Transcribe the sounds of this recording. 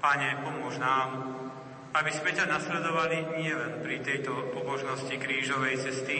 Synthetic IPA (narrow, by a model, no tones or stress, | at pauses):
paɲɛpɔmʊɔʒnaːm | abizmɛcanaslɛd̪ɔʋaliɲɪɛlɛnpɾit̪ɛjt̪ɔpɔbɔʒnɔscikɾiːʒɔʋɛjt͡sɛst̪i